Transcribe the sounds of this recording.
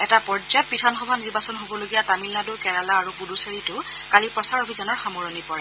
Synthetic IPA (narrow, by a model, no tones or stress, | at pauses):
ɛtapɔɹzɔt̚pitʰɔnxɔbʱaniɹbasɔnɦobɔloɡijatamilnadʊkɛɹalaːɹupuduseɹitʊ | kalipɹɔsaɹobʱizɔnɔɹxamɔɹɔnipɔɹɛ